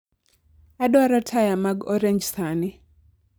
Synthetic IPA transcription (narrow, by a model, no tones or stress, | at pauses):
adwaɾɔtʰajamaɡɔɾɛɲd͡ʒsanɪ